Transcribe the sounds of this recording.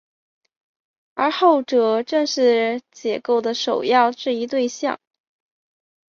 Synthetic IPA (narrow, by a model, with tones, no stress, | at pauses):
ə̰˞˧˥xo˥˩ʊʈ͡ʂɤ˨˩ʈ͡ʂɤ˥˧ŋʂɻ̩˥˩t͡ɕjɛ˨˩ko˥˩ʊd̪ə˩ʂo˨˩ʊjɑ˥˧ʊʈ͡ʂɻ̩˥˩i˧˥t̪we˥˧ɪɕjɑ̰˥˩ŋ